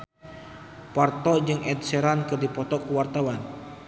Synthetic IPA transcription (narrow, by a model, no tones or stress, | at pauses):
part̪ɔd͡ʒɨŋʔɛdsɛɾankɨrdipɔt̪ɔkuwart̪awan